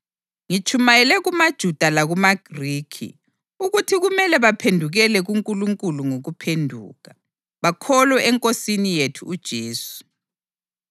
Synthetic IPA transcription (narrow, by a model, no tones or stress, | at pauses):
ŋit͡ʃʰʼumajɛlɛɣumad̥ʒ̥ʱud̥ʱalaɣumaɡ̥riːkʰḭ | uɣutʰiɣumɛlɛβapʰendʱuɣɛlɛɣuŋkʼuluŋkʼuluŋoɣupʰendʱṵːɣa | βakʰɔlwɛʔɛŋkʼosinijetʰuːd̥ʒ̥ʱeːsu̥